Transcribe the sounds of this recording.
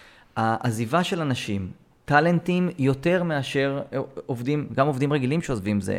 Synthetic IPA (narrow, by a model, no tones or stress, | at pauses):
aʔazivaʃe̞lanaʃim | t̪ale̞ntimjo̞te̞ʁmeaʃe̞ʁovdimɡamo̞vd̪imʁeɡilimʃeozvimzḛ